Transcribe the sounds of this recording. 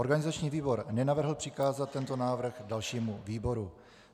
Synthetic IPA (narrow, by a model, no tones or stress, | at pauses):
oɾɡanɪzat͡ʃɲiːviːbo̞ɾnɛnavr̩ɦl̩pr̥ɪkaːzat̪̚tːɛnt̪o̞naːvr̩ɣdalʃiːmuviːbo̞ɾu